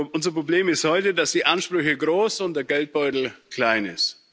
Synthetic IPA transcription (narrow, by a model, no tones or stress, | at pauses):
ʔʊnzɐpʁ̥obleːmɪsthɔʏtədasd̥iːʔanʃpʁ̥ʏçəɡʁoːsʊnt̚d̥eːɐɡɛlt̚b̥ɔʏtl̩kl̥aɪnɪ̰st